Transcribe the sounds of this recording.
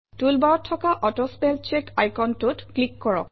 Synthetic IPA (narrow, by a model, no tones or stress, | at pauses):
tulbaɹɔtʰːɔkaʔɔtɔspɛlt͡ʃekajkɔntutklikːɔɹɔ̰k̚